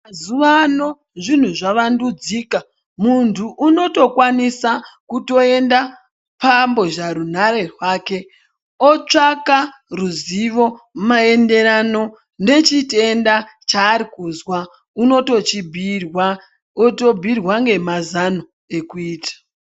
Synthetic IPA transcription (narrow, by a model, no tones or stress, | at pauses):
mazuʋano̞ | ʐin̤uʐaʋandud͡ziːka | muntʰuʔːno̞to̞kwanisakuto̞e̞nda | pambo̞ʒaɾun̤aɾe̞rwaːke̞ | ot͡ʂakaruziʋo̞mae̞nde̞ɾano̞ | ne̞t͡ʃite̞ndat͡ʃaːɾikuzwa | uno̞to̞t͡ʃibʱirwa | oto̞bʱirwaŋɡe̞mazano | ekuiːtḁ